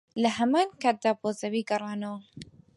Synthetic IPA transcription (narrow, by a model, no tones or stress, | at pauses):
lɐɦɐmaːnkaːt̪̚d̪aːbozɐwiɡɐrˤɑːnɐwɐ